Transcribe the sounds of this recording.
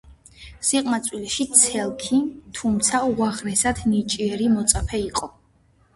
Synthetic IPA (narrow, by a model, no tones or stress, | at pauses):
siqʼmat̪sʼwilɛʃit̪sʰɛlˠkʰit̪ʰumt̪sʰauaʁɾɛsad̪nit͡ʃʼiɛɾimɔt̪sʼapʰɛiqʼɔ